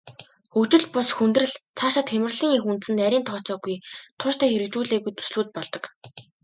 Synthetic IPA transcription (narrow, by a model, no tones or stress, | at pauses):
xɵkt͡ɕɪ̆ɮpʊsxunt̪rɘ̆ɮt͡sʰaʃăt̪xemɘ̆rɮiːŋixunt̪sɘ̆nt̪æɾʲiːnt̪ʰɔːt͡sɔːɣujt̪ʰʊʃt̪æːxeɾɘ̆kt͡ɕuːɮeːɣujt̪ʰu̥sɮuːt̪̚pɔɮt̪ɞ̆k